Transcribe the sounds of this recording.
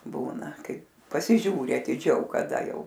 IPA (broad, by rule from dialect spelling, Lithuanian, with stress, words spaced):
ˈbuːnɐ ˈkɐɪ pɐsʲɪˈʒʲuːrʲɪ ɐtʲɪˈd͡ʒʲɛʊ kɐˈdɐ ˈjɛʊ